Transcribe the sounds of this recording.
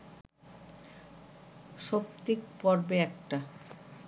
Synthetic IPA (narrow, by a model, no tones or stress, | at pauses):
ʃop̚t̪ik̚pɔɾbeɛk̚ʈa